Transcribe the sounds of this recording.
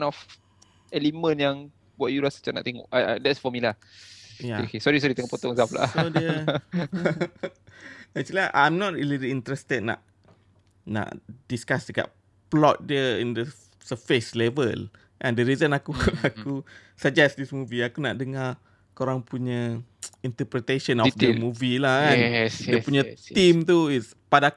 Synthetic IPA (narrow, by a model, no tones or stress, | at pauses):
nɔf | ɛlimə̃njaŋ | buaʔjulasḁt͡ʃana̰ʔt̪eŋɔ̰ʔa̰dɛtsfɔmilah | jaekesɔɾisɔɾit̪eŋɔʔpɔt̪ɔŋzafla̰sodə | at͡ʃuliaʔã̰jmnɔt̚ɹiliɾiint̪ɾɛst̪əd̚na̰ʔ | na̰ʔd̥iskasdəka̰ʔ | plɔt̪̚diəĩndə | səfeslɛvəl | kandəɾizənakuakʰu | səd͡ʒɛsdismuviakunaʔdəŋa | koɾaŋpʰuɲəint̪əpɾit̪eʃənɔfəmuvilahkasiəpuɲət̪imt̪uis | pada